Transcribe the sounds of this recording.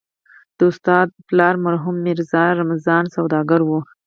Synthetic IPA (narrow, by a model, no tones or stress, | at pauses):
d̪̥əʊst̪ɑːd̪̚plɑɾmaɾɦumːiɾzɑɾamazɑːnsawd̪ɑɡəɾwu